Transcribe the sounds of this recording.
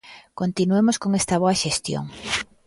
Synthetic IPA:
kont̪inuemoskoŋest̪ɐβ̞oaʃest̪jo̰ŋ

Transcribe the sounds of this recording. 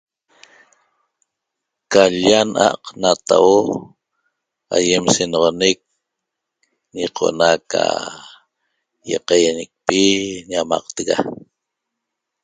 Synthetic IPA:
kaʎanʔa̰qnat̪awo | a̰jemsenʁonek̚ | ɲiqʰo̞̰naka̰ | jḛqɑjanek̚piɲamɑ̰qt̪eɣa

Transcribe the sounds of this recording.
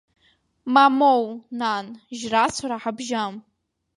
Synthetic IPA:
mamownanʒrat͡sʷʰaɾaħabʒam

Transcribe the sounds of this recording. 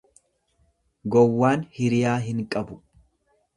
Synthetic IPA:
ɡɔwːaːnhɪɾɪjaːɦɪŋkʼɐbʊ

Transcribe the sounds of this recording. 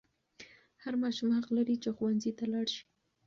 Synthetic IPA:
haɾmɑʃumhaqlaɾit͡ʃexuwanzit̪alɑɽʃi̥

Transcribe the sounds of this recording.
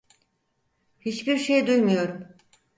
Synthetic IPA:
hit͡ʃbiɾʃejd̪ujmujo̞ɾum

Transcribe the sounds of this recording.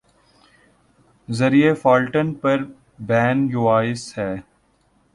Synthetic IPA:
zɐɾiefaːlʈənpɐɾ | bɛːnjuaːɪshɛː

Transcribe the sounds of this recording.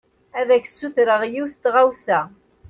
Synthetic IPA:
æðæçsːuθɾəʁjiwθt̪ʁawsæ

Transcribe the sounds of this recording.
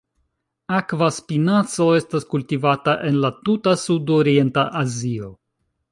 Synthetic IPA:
akvaspinat͡so̞e̞staskultivataʔe̞nlatutasudoɾie̞ntaʔazio̞

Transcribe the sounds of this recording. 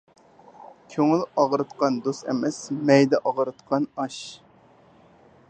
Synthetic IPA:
kʲʰøŋɪlɑʁɾɨt̪qɑnd̪ost̪ɛ̰mɛsmɛjd̪ɛʔɑʁɾɨt̪qʰɑnɑʃ

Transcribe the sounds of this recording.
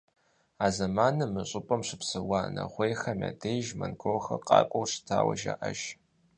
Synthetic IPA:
aːzɐmaːnɨmɨɕʼʊpʼɐmɕʷɪpsɨwanɐ̰ʁʷejxɐmʲa̰ːdejʒmɐnɡoxɐ̰qʼɑ̰ːkʷʼowʂtʰaːwɐ̰ʒa̰ʔɐʒ

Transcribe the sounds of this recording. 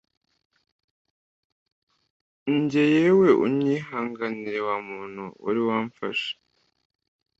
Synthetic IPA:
ɲɟe̞jewe̞ʔṵmɲɲiːɦaːŋɡaniɾe̞wamuːn̥huṵɾiwaːɱfa̰ʃḁ

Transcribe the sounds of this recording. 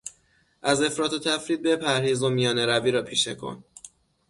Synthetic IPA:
ʔæze̞fɾɒːt̪ʰot̪ʰæfɾiːd̪̚be̞pʰæɾhiːzomijɒːneɾæviːɾɒːpʰiːʃḛkʰo̰n

